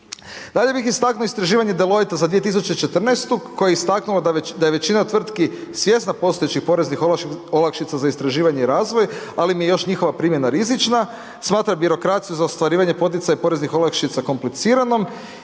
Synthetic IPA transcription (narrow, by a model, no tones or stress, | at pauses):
d̪aʎe̞bixist̪aknuoist̪ɾaʒiːʋaɲe̞d̪elo̞jit̪azad̪ʋijet̪is̬ut͡ʃet͡ʃet̪r̩nest̪ukːojeist̪aknulad̪ajeʋe̞t͡ɕinat̪ʋr̩t̪kisʋje̞snapo̞st̪o̞jet͡ɕixpo̞ɾeznixolakʃit̪sazaist̪ɾaʒiːʋaɲeiɾaːzʋo̞j | alimijejo̞ʃɲixo̞ʋapɾimje̞naɾizit͡ʃna | smaːt̪ɾabiɾo̞kɾat̪sijuzaost̪ʋaɾiːʋaɲe̞po̞t̪̬it̪sajapo̞ɾe̞znixo̞lˠakʃit̪sako̞mplit̪siːɾano̞m